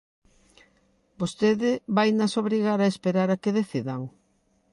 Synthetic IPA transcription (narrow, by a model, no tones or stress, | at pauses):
bost̪eðɪβajnasoβɾiɣaɾaespeɾaɾakeðeθiðɐŋ